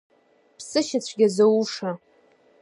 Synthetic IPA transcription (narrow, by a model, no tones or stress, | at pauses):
pʰsɨʃɪt͡ɕʷʰɡʲazauʂa